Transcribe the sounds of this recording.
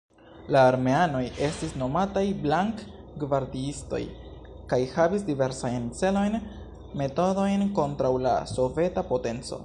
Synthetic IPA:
laːɾme̞ano̞je̞stisno̞matajblaŋk | ɡvaɾdiisto̞̰j | kajhavisdive̞ɾsajnt͡se̞lo̞jn | me̞to̞do̞jnko̞ntɾawla̰so̞ve̞tapo̞te̞nt͡so̞̰

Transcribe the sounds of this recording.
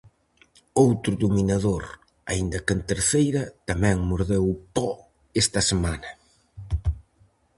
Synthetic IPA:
owt̪ɾʊðuminaðoɾ | a̰ind̪ɐkɪnt̪eɾθejɾɐt̪ɐmɛ̃ŋmuɾðewpɔ | est̪ɐsemanɐ

